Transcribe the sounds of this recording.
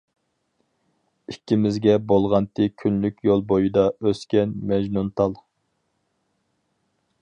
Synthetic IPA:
ikʲːimɪzɡʲɛbolˠʁɑnt̪ʰɪkʲʰynlykʲjolˠbojid̪ɑøskʲɛnmɛʒnunt̪ʰɑlˠ

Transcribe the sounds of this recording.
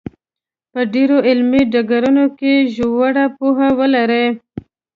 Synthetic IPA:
pəɖeɾoʔɪlmiɖaɡaɾunokeʒowaɽapuɦawəlaɾe

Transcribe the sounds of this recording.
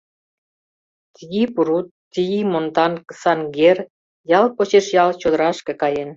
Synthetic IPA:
t̪ijipuɾut̪ːijimont̪ɑnkəsɑnɡer | jɑlpot͡ɕeʃjɑlt͡ɕod̪ə̆ɾɑʃkĕkɑjen

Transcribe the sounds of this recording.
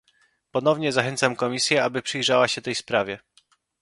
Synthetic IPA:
pɔnɔvɲɛzaxɛnt̪samkɔmʲisʲjɛabɘpʂɘjʐawaɕɛt̪ɛjspɾavʲjɛ

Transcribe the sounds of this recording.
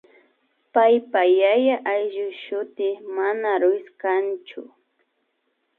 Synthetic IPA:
pajpajajaʔajʒʊʃʊt̪ɪmanaɾʊjskant͡ʃʊ̰

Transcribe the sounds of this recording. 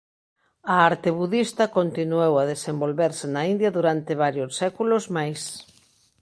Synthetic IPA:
ɐaɾt̪eβuðist̪ɐkont̪inuewɐðesembolβɛɾsɪnɐind̪jɐðuɾant̪ɪβ̞aɾjosːɛkulozmajs

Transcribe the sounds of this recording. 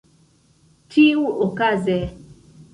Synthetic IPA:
tʰiwuʔokazɛ

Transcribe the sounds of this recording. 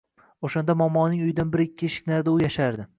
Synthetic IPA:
oʃan̪d̪amɒmːɒnɪŋʊjɪd̪anbɪɾɪkʲʰːɪʃɪ̥kʲnaɾd̪ɪʊjaʃaɾd̪ɪ

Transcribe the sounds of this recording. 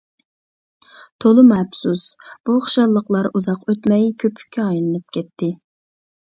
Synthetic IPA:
t̪ʰolˠɨmɛpsusb̥uχʃɑlˠːəqlˠɑɾuzɑqøt̪mɛjkʲʰøpʰy̥kʲʰːɛɑjlˠɨnɨp̚kʲʰɛt̪ʰːɪ

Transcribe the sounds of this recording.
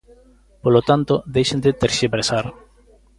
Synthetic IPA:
polot̪ant̪od̪ejʃẽnd̪et̪eɾʃiβɾesaɾ

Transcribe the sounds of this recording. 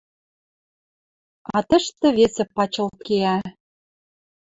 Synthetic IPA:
ɑt̪ə̆ʃt̪ə̆βesĕpɑt͡ɕɤ̆lt̪̚keæ

